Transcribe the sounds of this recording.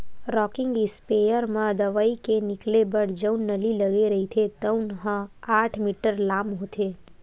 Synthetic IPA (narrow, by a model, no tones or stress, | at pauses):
ɾɔkɪ̃ŋɡlispejəɾmãd̪əʋaikenɪklebəɽd͡ʒəwnːəliləɡeɾəɦit̪ʰet̪əwnɦãaʈʰmiʈəɾlamɦot̪ʰe